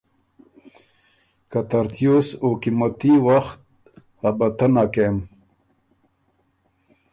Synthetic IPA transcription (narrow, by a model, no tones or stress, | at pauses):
kat̪aɾt̪ʰjosokimat̪iwaxt̪̚ | habat̪ənakem